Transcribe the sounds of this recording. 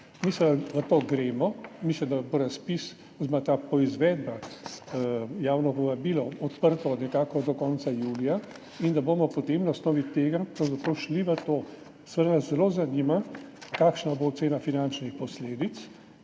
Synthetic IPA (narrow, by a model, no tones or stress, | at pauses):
misləmd̪aʋət̪oːɡɾeːmɔmisləmd̪aboɾaspis | ɔzmat̪aːpɔizʋɛːd̪ba | jaːwnɔpɔʋabiːlɔɔt̪pəɾt̪ɔnɛkaːkɔd̪ɔkɔnt̪sajuːlija | ind̪aboːmɔpɔt̪emnaɔsnɔːʋit̪eːɡapɾawzapɾowʃliʋət̪oː | sʋəɾnaszɛloːzanimakaːkʃnabot̪seːnafinant͡ʃnixpɔsleːd̪it̪s